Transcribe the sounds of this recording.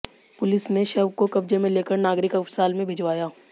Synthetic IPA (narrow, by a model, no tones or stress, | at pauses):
pʊlɪsneʃɐʋkokɐbd͡ʒemẽleːkəɾnaːɡɾɪkɐfsaːlmẽbʱɪd͡ʒʋaːjaː